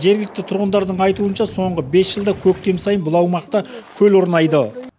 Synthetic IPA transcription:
ʒe̞ɾɡʲɪlɪk̚t̪ɪt̪ʰʊɾʁənd̪ɑɾd̪əɴɑjt̪uənʃɑso̞ɴʁəbe̞sʒəlˠd̪ɑkʲʰɵk̚t̪e̞msɑjənbʊlˠɑwmɑqt̪ɑkʲʰɵloɾnɑjd̪ə

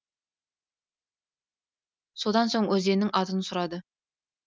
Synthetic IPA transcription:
so̞d̪ɑnso̞ɴwʔɵzd̪e̞nɪŋʔɑt̪ənsʊɾɑd̪ə

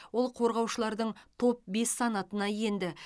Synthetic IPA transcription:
wolˠqʰo̞ɾʁɑwʃəlˠɑɾd̪əɴt̪ʰo̞p̚be̞sːɑnɑt̪ənɑje̞nd̪ɪ

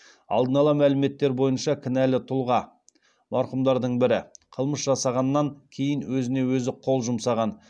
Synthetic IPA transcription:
ɑ̰lˠd̪ənɑlˠɑmælɪme̞t̪ːe̞ɾbojənʃɑkʲʰɪnælɪt̪ʰʊlˠʁɑ | mɑɾqʊmd̪ɑɾd̪əɴbɪɾɪqʰəlˠməsʒɑsɑʁɑnːɑŋkʲʰe̞jɪnwɵzɪne̞wɵzɪqʰo̞lˠʒʊmsɑʁɑn

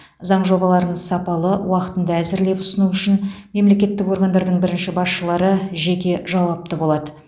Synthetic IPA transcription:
zɑɴʒo̞bɑlˠɑɾənsɑpɑlˠəwɑqə̥t̪ənd̪ɑæzɪɾle̞pʊ̥sənuʏʃɪnme̞mle̞kʲe̞t̪ːɪko̞ɾɡand̪ɑɾd̪əɴbɪɾɪnʃɪbɑsʃəlˠɑɾəʒe̞kʲe̞ʒɑwɑp̚t̪əbo̞lˠɑd̪ə

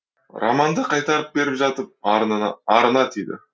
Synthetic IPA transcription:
ɾa̰mɑnd̪əqʰɑjt̪ɑɾəp̚be̞ɾɪpʒɑt̪əp̚ɾnɑɾənɑt̪ʰejd̪ɪ̰

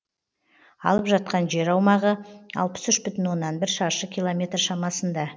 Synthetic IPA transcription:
ɑ̰lˠəpʒɑt̪̚qɑnʒe̞ɾɑwmɑʁəɑ̰lˠpə̥sʏʃbʏt̪ɪnwo̞nːɑnbɪɾʃɑɾʃəkʲijlˠomʲe̞t̪rʃɑmɑsənd̪ɑ

